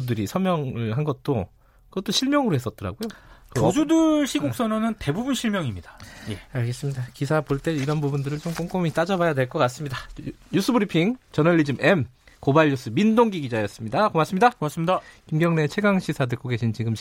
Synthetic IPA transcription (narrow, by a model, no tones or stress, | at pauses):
dɯɾisʰʌmjʌŋɯɭɦanɡʌt̚t͈o | kɯɡʌt͈oɕʰiɭmjʌŋɯɾoɦe̞s͈ʌt̚t͈ʌɾa̰ɡojokɯd͡ʑudɯɭɕʰiɡok̚s͈ʌnonɯnte̞bubunɕʰiɭmjʌŋimɲidaje̞aɭɡe̞s͈ɯmɲidakisʰapoɭt͈eiɾʌnbubundɯɾɯɭt͡ɕomk͈oŋk͈omit͈ad͡ʑʌbajadwe̞ɭk͈ʌk͈as͈ɯmɲidajusʰɯbɯɾipʰiŋt͡ɕʌnʌɭːid͡ʑɯme̞m | kobaʎjus͈ʰɯmindoŋɡiɡid͡ʑaejʌs͈ɯmɲidakomas͈ɯmɲidaas͈ɯmɲkimɡjʌŋne̞t͡ɕʰe̞ɡaŋɕʰisʰadɯkk͈oɡe̞ɕʰint͡ɕiɡɯmɕ